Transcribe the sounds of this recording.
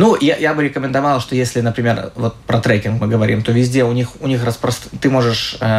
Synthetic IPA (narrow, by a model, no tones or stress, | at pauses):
nujajabɨɾʲɪkəmʲɪnd̪ɐvalˠʂt̪o̞jesʲlʲɪnəpɾʲɪmʲe̞rvo̞t̪̚pɾɐt̪ɾɛkʲɪnkmɨɡəvɐɾʲḭmt̪ovʲɪzʲdʲeʊnʲixʊnʲixrəspɾəst̪t̪ɨmo̞ʐɨʂə